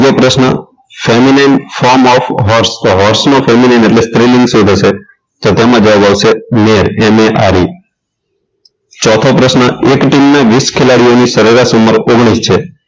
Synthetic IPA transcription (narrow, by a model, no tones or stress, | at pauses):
opɾəʃnə̰ | feminajnfɔɾmɔfɦɔɾsɦɔɾsnofeminajneʈlest̪ɾilĩŋɡsũd̪ʱəʃe | t̪ot̪emãd͡ʒəʋabaʋʃemeɾemeʔaɾi | t͡ʃɔt̪ʰopɾəʃnəekʈimnaʋiskʰelaɽijonisəɾəɾasuməɾoɡɽ̃ist͡ʃʰe